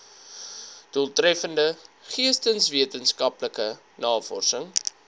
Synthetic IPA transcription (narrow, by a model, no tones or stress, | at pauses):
d̥ulˠtrɛfəndəχiəstənsviətənskɐpləkə | nɑːfɔ̰rsəŋ